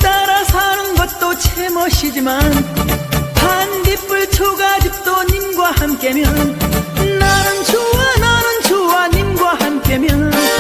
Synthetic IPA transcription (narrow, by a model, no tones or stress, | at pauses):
t̪aɾasʰanɯnɡʌt̚t͈ot͡ɕʰemʌɕʰid͡ʑiman | pandip͈ɯɭt͡ɕʰoɡad͡ʑik̚t̪͈oɲimɡwahamk͈e̞mjʌnnanɯnt͡ɕʰowananɯnt͡ɕʰowaɲimɡwahamk͈e̞mjʌn